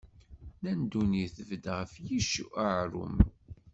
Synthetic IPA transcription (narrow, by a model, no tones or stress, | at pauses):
nænd̪uniθəvəd̪ʁəfjiʃuʔaʕɾʊ̰m